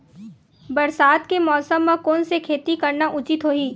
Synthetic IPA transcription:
bɐɾsaːd̪kemɔːsəmːãkoːnsekʰeːt̪ikɐɾnaʔʊt͡ʃɪt̪ɦoːiː

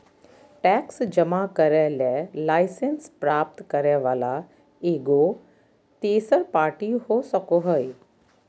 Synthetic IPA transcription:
ʈɛːksd͡ʒɐmakɐɾəlaːlaːɪsenspɾaːp̚t̪kɐɾəʋaːla | eːɡo | t̪eːsəɾpaːɾʈiɦoːsɐkoɦəj

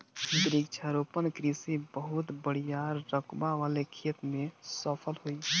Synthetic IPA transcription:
d̪ɾik̚t͡ʃʰəɾopənkɾisibəɦut̪bəɽ̤ijaɾːəkbaʋalekʰet̪mesəpʰəlɦoi

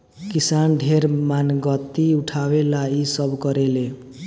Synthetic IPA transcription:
kisanɖʱeɾmanɡʌt̪ːiuʈʰawelaisʌbkʌɾele

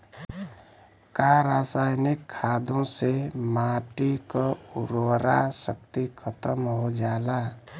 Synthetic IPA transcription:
kaɾaːsaːjnɪkʰːaːd̪õsemaːʈikoʊɾoɾa̰sək̚t̪ikʰət̪əmɦod͡ʒaːlaː

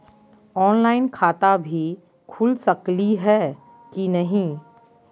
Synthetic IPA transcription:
ɔːnlaːɪnkʰaːt̪abʱi | kʰʊlsɐkliɦɛː | kinɐɦĩ

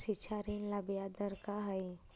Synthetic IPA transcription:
sit͡ʃʰaɾinlɐbijad̪əɾkaɦɐi

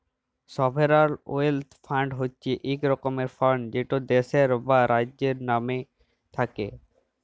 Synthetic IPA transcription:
sɔbʱeɾaɾoelt̪fʰaɳɖɦotːɕʰeʔekɾɔkomeɾfɔɾɳɖd͡ʑeʈod̪eʃeɾbaɾad͡ʑeɾname | t̪ʰake

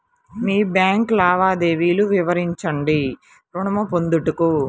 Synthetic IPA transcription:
miːbjaːŋklaːʋaːd̪eːʋiːluʋiʋɐɾiɲt͡ʃɐɳɖi | ɾuɳɐmɐpond̪uʈuku

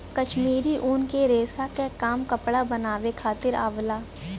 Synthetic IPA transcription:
kɐʃmiːɾiʔuːnkeɾeːsakekaːmkɐpɽabɐnaːʋekʰaːt̪ɪɾa̰ːʋlaː

